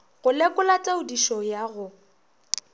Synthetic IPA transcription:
ɣʊlɪkʼʊlatʼaʊdiʃɔjaɣʊ

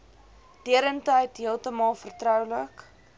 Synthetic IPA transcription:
d̥iəɾəntəjtɦiəlˠtəmɑːlˠfərtrœwlək

